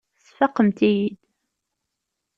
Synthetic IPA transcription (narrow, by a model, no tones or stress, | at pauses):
sfɑqːəmt̪ijid̪